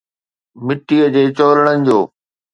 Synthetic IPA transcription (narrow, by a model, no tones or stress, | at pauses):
mɪʈːiːəd͡ʑeːt͡ɕoːləɽ̃ənɪ̆d͡ʑoː